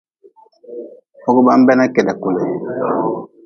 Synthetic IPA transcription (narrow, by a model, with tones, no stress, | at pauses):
o˦ɡu˦ba˦m˦bɛ˦na˦kɛ˨da˨ku˨lɛ˨